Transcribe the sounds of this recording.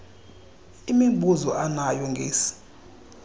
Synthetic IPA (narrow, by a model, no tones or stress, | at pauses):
imiɓuzɔʔanajɔŋɡʱeːsi̥